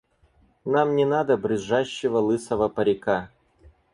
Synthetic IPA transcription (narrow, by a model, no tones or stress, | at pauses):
namnʲɪnad̪əbɾʲɨʐaɕːɪvəlˠɨsəvəpəɾʲɪka